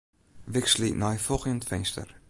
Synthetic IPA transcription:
vɪkslinajfɔxjəntfɛnstə̰r

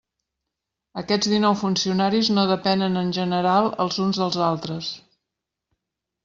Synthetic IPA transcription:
əkɛd͡zðinɔwfunsiunaɾiznoðəpɛnənənʲʒənəɾalˠə̰lˠzunzðəlˠzalˠt̪ɾəs

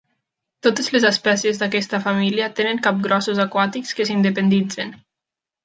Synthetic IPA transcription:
t̪ot̪ezlezəspɛsiezd̪akɛst̪afamiliat̪enəŋkap̚ɡɾɔsuzakwat̪ikskəs̬ind̪epend̪id͡zen

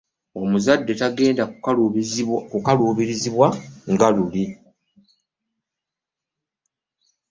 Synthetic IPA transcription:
omuzadːe̞taɡe̞ːnda | kukaluːβiɾiziβwaŋɡaluli

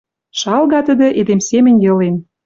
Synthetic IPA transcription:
ʃɑlɣɑt̪ə̆d̪ə̆ʔed̪emsemɘ̆nʲjɤ̆len

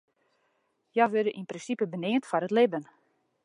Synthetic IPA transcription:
jɔʋødəʔinprɪnsipəbənɪːəntfɔɾətlɪbən

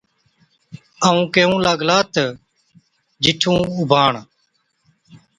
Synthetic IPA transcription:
əũːkeːũːlaːɡlaːt̪ə | d͡ʒɪʈʰũːʊbʱaːɳ

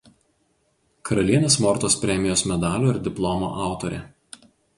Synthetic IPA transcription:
kʰɐɾɐlʲiɛnʲeːsmɔɾt̪oːspʲɾʲɛmʲɪjoːsmʲɛd̪ɑːlʲoːɪɾd̪ʲɪplˠɔmo̰ːʔɑˑʊt̪oːɾʲḛː

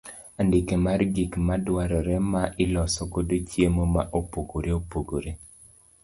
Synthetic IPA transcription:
andɪkemarɡikmadwaɾɔɾɛmaʔɪlɔsɔkodot͡ʃjemomaʔopoɡoɾeopoɡoɾe

